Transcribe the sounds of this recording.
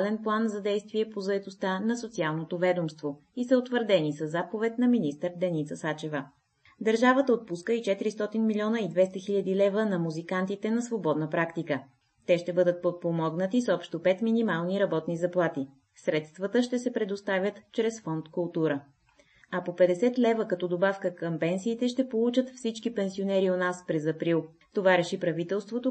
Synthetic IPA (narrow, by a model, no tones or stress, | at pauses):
lɛnplˠanzɐd̪ɛjst̪viɛpozɐɛt̪ost̪anɐsot̪sialˠnot̪ovɛd̪omst̪vo | isəot̪vəɾd̪ɛnisəzːapovɛt̪nɐminist̪əɾd̪ɛnit̪səsat͡ʃɛvə | d̪əɾʒavət̪əot̪̚puskəit͡ʃɛt̪iɾist̪ɔt̪inmilʲiɔnəid̪vɛst̪əxiʎʲəd̪ilɛvənɐmuzikant̪it̪ɛnɐsvobɔd̪nəpɾakt̪ikə | t̪ɛʃt̪ɛbɤd̪ət̪̚pot̪̚pomɔɡnət̪isɔpʃt̪opɛt̪minimalˠniɾɐbɔt̪nizɐplˠat̪i | sɾɛt̪st̪vət̪əʃt̪ɛsɛpɾɛd̪ost̪avʲət̪t͡ʃɾɛsfɔnt̪kʊlˠt̪uɾə | ɐpopɛd̪ɛsɛt̪lɛvəkɐt̪ɔd̪obafkəkəmpɛnsiːt̪ɛʃt̪ɛpolˠut͡ʃət̪fsit͡ʃkipɛnsionɛɾionaspɾɛzɐpɾilˠ | t̪ovaɾɛʃipɾɐvit̪ɛlˠst̪vot̪o